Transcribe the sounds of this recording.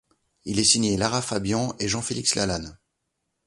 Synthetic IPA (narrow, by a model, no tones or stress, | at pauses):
ilɛsiɲelaʁafabjɑ̃eʒɑ̃felikslalan